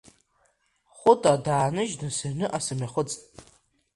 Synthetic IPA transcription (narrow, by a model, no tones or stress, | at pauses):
χʷʊtʼadaːnɨʒdɨsɨrnɨʔasɨmaχʷʊt͡sʼtʼ